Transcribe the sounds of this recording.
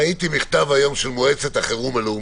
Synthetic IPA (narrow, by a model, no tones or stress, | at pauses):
it̪imiχt̪avhajo̞mʃelmoet͡set̪aχeʁumeleu